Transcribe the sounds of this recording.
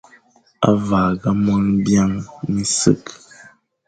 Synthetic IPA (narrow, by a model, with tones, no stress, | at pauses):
a̰˦va˨ɣa˦mwə˦ŋbja˦ŋmi˦sɨ̰˦k